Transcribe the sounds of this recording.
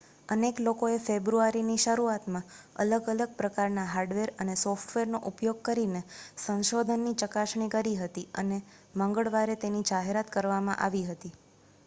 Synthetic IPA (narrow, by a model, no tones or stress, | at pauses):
əneklokoefebɾuaɾiniʃəɾuat̪mãə̰ləɡələɡ̚pɾəkaɾnaɦaɾɖʋeɾənesofʈʰʋeɾnoʔupjoɡ̚kəɾinesə̃ñʃod̪ʱənːit͡ʃəkaʃɳ̃ikəɾiɦət̪iəne | mə̃ŋɡəɭʋaɾet̪enid͡ʒaɦeɾat̪kəɾʋamã̰ʔaʋiɦət̪i